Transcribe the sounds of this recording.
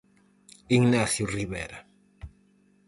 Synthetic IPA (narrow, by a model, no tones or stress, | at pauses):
iŋnaθjʊriβɛ̰ɾa